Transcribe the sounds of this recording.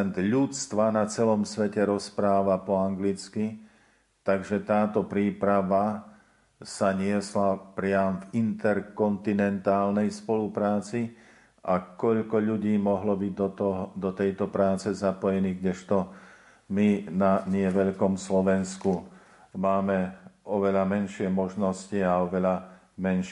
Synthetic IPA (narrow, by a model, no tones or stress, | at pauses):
nd̪ʎut͡st̪ʋanat͡sɛlɔmsʋɛcɛɾɔspɾaːʋapɔaŋɡlit͡ski | t̪aɡʒɛt̪aːt̪ɔpɾiːpɾaʋa | saɲɪɛslapɾɪamvint̪ɛɾkɔnt̪inɛnt̪aːlnɛjspɔlupɾaːt͡si | ʔakɔʎkɔʎuɟiːmɔɦlɔbiɟ̚d̪ɔt̪ɔɦd̪ɔt̪ɛjt̪ɔpɾaːt͡sɛzapɔjɛniːɡɟɛʃt̪ɔ | minaɲɪɛʋɛʎkɔmslɔʋɛnsku | maːmɛɔʋɛʎamɛnʃɪɛmɔʒnɔsciaɔʋɛʎa | mɛnʃ